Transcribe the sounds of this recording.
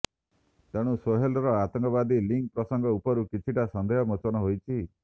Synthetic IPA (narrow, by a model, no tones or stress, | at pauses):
t̪eɽ̃usoɦelɾɔat̪ɔŋkɔβad̪iliŋk̚pɾɔsɔŋɡɔupɔɾukit͡ʃʰiʈasɔnd̪ʱeɦɔmot͡ʃɔnɔɦojt͡ʃʰi